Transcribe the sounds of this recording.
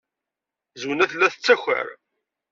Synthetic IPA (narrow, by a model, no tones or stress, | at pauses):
zwnæθəlːæθət͡sːæçə̰ɾ